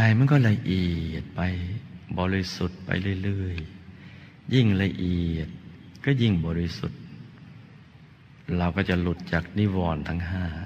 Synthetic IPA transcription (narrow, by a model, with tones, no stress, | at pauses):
da˧˩jma˧˥˨nkɔː˧˥˩la˧ʔiː˨˩t̪̚pa˧jbɔː˧ɾi˧su˨˩t̪̚pa̰˧jlɯː˧˥˩jlɯː˧˥˩j | ji˧˩ŋla˧ʔiː˨˩ət̪̚kɔː˧˥˩ji˧˥˩ŋbɔː˨˧˩ɾi˧sṵ˨˩t̪̚ | la˧˩wkɔː˧˩t͡ɕa˨˩lu˧˩t̪̚t͡ɕaː˨˩k̚niː˧˥˩wɔː˧˩nt̪ʰa˧ŋɦaː˧˩